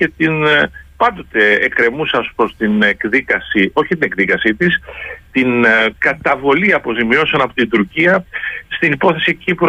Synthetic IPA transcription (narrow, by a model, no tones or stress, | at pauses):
e̞t̪inpɐnd̪o̞t̪e̞ːkɾe̞musɐspɾost̪inekðikɐsio̞çit̪ine̞kðikɐsit̪ist̪inkɐt̪ɐvo̞liɐpo̞zimio̞sɐnɐpot̪ind̪uɾciɐst̪inipo̞θe̞sicipɾ